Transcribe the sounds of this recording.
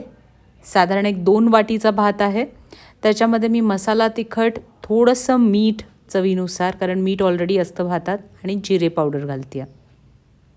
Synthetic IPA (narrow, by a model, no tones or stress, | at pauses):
sad̪ʱaɾəɳek̚d̪onʋaʈit͡sabʱat̪aɦe | t̪jat͡ɕjaməd̪ʱːjemiːməsalat̪ikʰəʈt̪ʰoɽəsəmiːʈ | t͡səʋinusaɾkaɾəɳmiːʈɔlɾeɽiːəst̪əbʱat̪at̪aɽ̃id͡ʑiɾepawɽəɾɡʱalt̪ija